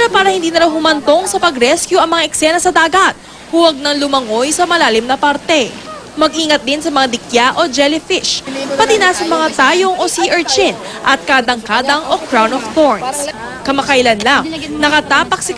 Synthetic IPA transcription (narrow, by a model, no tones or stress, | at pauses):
pɾopaːɾɐhɪnd̪iːnɐɾawhʊmɐnt̪o̞ŋsɐpɐɡɾɛskjuɐŋmɐŋaʔɛksɛnɐsɐd̪aːɡɐt̪̚ | huwɐɡ̚nɐŋlʊmɐŋo̞jsɐmɐlaːlɪmnɐpaɾt̪ɛ | mɐɡʔiːŋɐt̪̚d̪ɪnsɐmɐŋad̪ɪkjaʔo̞d͡ʒɛlɪfɪʃpɐt̪inasɐmɐŋat̪aːjoŋʔosiʔɛɹt͡ʃɪn | ʔɐt̪̚kaːd̪ɐŋkaːd̪ɐŋʔokɾawnoft̪oɹns | kɐmɐkɐjlɐnlaŋnɐkɐt̪aːpɐk̚sɪ